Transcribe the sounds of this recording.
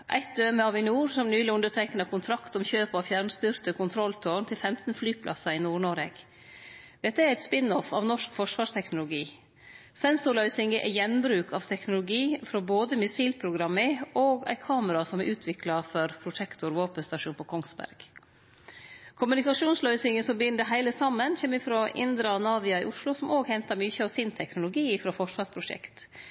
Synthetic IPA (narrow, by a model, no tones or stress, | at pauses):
ʔæ̰ɪt̪̚d̪øːməɑʋɪnuːɾsɔmnyːlɪʉnd̪əɾʈʰɛknəkʰʊnt̪ʰɾɑkt̪ɔmçøːpɔfjæɾnst̪yːɾt̪əkʰʊnt̪ʰɾɔlt̪ʰoːɳt̪ʰɪlfɛmt̪nflyːpʰlʔɑ̰sɑɪnuːɳɔɾɛɡ̥ | d̪̥ɛt̪ːəæɾɛɪt̪spɪnɔfɑ̰ːʋnɔʂkfɔʂʋɑːʂt̪ʰɛknʊlʊɡiː | sɛnsʊɾlœʏsɪŋəʔɛ̰jɛnbɾʉːkʰɑʋt̪ʰɛknʊlʊɡiːfɾoboːd̪əmɪsiːlpʰɾʊɡɾɑmːəʔoːɡæ̰ɪkʰɑːməɾɑsɔmɛɾʔʉːt̪ʰʋɪklɑfɔɾpʰɾʊt̪ʰɛkt̪ʊɾʋoːpənst̪ɑʂuːnpʰɔkʰɔŋsbæ̰ɾɡ̥ | kʰʊmʉnɪkɑʂuːnslœʏsɪŋɡəsɔmbəjʏnd̪əɦæɪləsɑmːənçɛmɪfɾoʔɪ̰nd̪ɾɑnɑːʋɪɑɪ̰ʔʊʂlʊsɔmoːɡhɛnt̪ɑɾmyːçəɑʋsɪnt̪ʰɛknʊlʊɡiːɪfɾofɔʂʋɑːʂpʰɾʊʂɛ̰kt̪